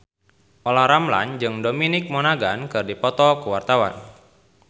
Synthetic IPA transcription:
ʔolaɾamla̰nd͡ʒɨŋdominɪk̚mɔnaɡankɨrdipɔt̪ɔkuwart̪awa̰n

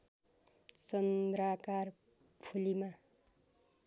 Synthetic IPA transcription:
t͡sʌnd̪ɾakar | pʰulima

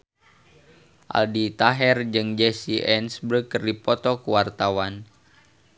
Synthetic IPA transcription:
ʔa̰ldit̪aɦɛrd͡ʒɨŋd͡ʒɛsiʔɛnsbəkərdipɔt̪ɔkuwart̪awan

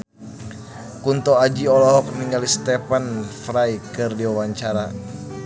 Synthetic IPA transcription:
kunt̪ɔad͡ʒiɔlɔɦɔk̚niŋɡalist̪ɛpanfɾajkɨrdiwawaɲt͡ʃaɾa

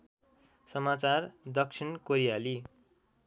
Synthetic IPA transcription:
sʌmat͡sard̪ʌksʰinkoɾijali

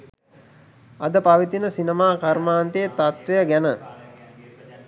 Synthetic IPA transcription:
ɐd̪əpaʋit̪inəsinemaːkaɾmaːnt̪ejt̪at̪ʋejəɡænə

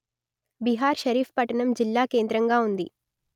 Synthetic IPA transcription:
biɦaːɾʃɐɾiːfpɐʈɐɳɐmd͡ʒilːaːke̞ːnd̪ɾɐŋɡaːund̪ḭ

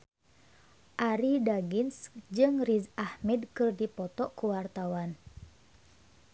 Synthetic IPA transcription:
ʔaɾidaɡinsd͡ʒɨŋrizahmɛdkɨrdipɔt̪ɔʔkuwart̪awan

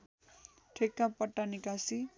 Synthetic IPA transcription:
ʈʰekːãpʌʈːanikasi

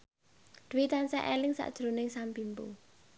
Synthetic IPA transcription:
d̪̥wit̪ansaʔelɪŋsa̰ʔd̥ʒ̥ɾonɪŋsampimpṵ

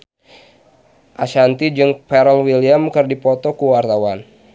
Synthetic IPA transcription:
ʔaʃant̪id͡ʒɨŋpɛɾəlwiliamkɨrdipɔt̪ɔkuwart̪awan

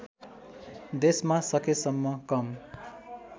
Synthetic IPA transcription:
d̪esmasʌkesʌmːʌkʌm

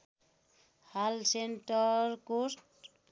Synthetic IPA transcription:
halsenʈʌɾkosʈ

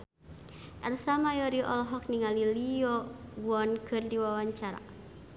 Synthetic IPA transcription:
ʔarsamajɔɾiʔɔ̰lɔɦɔk̚niŋaliliɔwɔnkʰɨrdiwawaɲt͡ʃaɾa̰

